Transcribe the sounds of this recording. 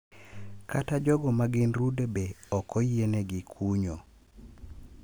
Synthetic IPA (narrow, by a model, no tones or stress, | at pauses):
katad͡ʒɔɡɔmaɡɪnrudebeɔkɔjeneɡɪkʰuɲo